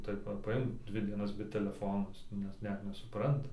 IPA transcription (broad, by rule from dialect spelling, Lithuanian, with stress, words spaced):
ˈtɐɪp ʋɐ pɐˈɪmk ˈdʲʋʲɪ dʲiɛˈnɐs bʲɛ tʲɛlʲɛˈfoːnoː ˈjɪs nʲɛt ˈnʲɛt nʲɛsʊˈprɐntɐ